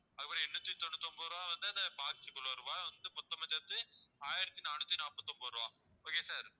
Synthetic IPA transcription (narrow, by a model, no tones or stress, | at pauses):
ɐðkɐpːɐnɛɳːut̪ːit̪ɔɳːɯt̪ːɔmbɐʋɐɾɯʋãːʋɐnd̪ɯɐd̪ɐpaːkɪt͡ʃːɯkːɐɭoɐɾɯʋãːʋɐnd̪ɯpɔt̪ːɐmɐt͡ʃːɐt̪ːɯaːjɪɾɐt̪ːinaːnut̪ːinaːpːɐt̪ːɔmbɐʋɐɾɯʋãː | oːkesaːɾ